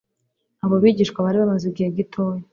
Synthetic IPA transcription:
aβoβiːɟiːʃkwaβaɾiβamaziɡiheɡitʰoje

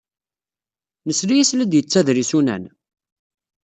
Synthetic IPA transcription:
nəsɾijæslæd̪jət͡sːæðɾisunæ̰n

